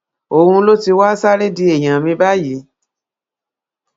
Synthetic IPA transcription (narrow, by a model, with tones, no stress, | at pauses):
o˨hũ˧˦lo˦ti˧wa˦sa˦ɾe˦di˧˦e˨j̃ã˨mĩ˧ba˦ji˨˦